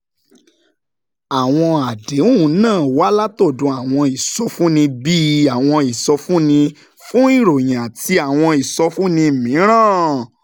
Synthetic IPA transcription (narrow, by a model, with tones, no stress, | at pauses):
a˨w̃ɔ̃˧a˨de˨˦ũ˦˨˦nãː˦˨wa˦la˦to˦˨dũ˨˧˦a˨w̃ɔ̃˧i˨sɔ˧˦fũ˦nĩ˧bi˦a˨w̃ɔ̃˧i˨sɔ˧fũ˦nĩ˧ | fũ˦i˦˨ɾo˨j̃ã˨ti˧a˨w̃ɔ̃˧i˨sɔ˧˦fũ˦nĩ˧˨mĩ˨˦ɾ̃ãː˦˨